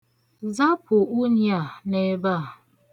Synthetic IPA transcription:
za˦pʰʊ˨ʔu˦ɲja˨ne˨˦ba˦˨

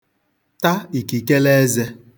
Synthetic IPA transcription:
ta˦i˨ki˨ke˦le˦ze˦

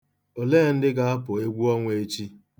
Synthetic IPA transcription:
o˨leː˦˨n̩˦dɪ˦ɡa˦a˦pʊ˨e˦ɡʷu˦ɔ˦ŋʷe˨˦t͡ʃi˦

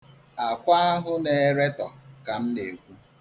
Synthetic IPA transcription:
a˨kʷa˦a˦ɦʊ˦ne˨ɾe˦tɔ˨ka˨m̩˦ne˨kʷu˦

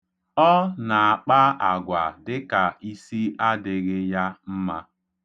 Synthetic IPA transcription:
ɔ˦na˨a˨k͡pa˦a˨ɡʷa˨dɪ˦ka˨i˦si˦a˦dɪ˦ɣɪ˦ja˦m̩˦ma˦

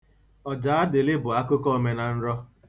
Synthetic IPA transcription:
ɔ˨d͡ʒaː˨˦a˦dɪ˨lɪ˦bʊ˨a˦kʊ˦kɔ˦me˨na˨n̩˦ɾɔ˦

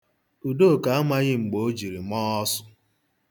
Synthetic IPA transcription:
u˨do˦˨ka˨a˦ma˦ɣɪ˦ŋ͡m̩˨ɡ͡bo˨o˦d͡ʒi˨ɾi˨mɔː˦ɔ˦sʊ̥˦

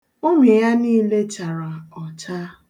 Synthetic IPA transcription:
o˦me˨ja˦niː˦le˦t͡ʃa˨ɾa˨ɔ˨t͡ʃa˦

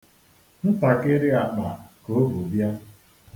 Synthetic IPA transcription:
n̩˦pa˨kɪ˦ɾɪ˦a˨k͡pa˨ko˨˦bu˨bja˦

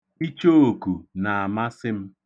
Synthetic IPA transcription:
i˦t͡ʃo˦o˨ku˨na˨a˨ma˦sɪ˦m̩˦

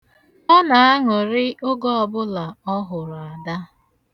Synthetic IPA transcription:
ɔ˦na˨a˦ŋʊ˨ɾɪ˦ʊ˦ɡɔ˦ɔ˨bʊ˦la˨ɔ˦ɦʊ˨ɾa˨da˦

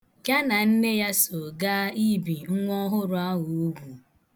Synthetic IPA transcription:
ka˦na˨n̩˦ne˦ja˦so˨ɡa˦i˦bi˨ŋ̩˦ŋʷ˦ɔ˦ɦʊ˦ɾʊ˨a˦ŋʊ˨u˦ɡʷu˨

